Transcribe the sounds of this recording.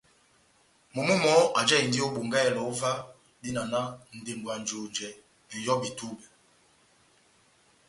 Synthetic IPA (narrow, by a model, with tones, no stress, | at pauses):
mo˨mu˦mɔ˨˦a˨d͡ʒɛ˦˨i˨n˨di˦o˦bo˨ŋɡa˦ɛ˨lɔ˨u˦va˦ | di˦na˨na˦n̩˨de˨mbwa˨nd͡ʒo˨nd͡ʒɛ˨ | ɛ˨jɔ˦bi˨tu˦bɛ˨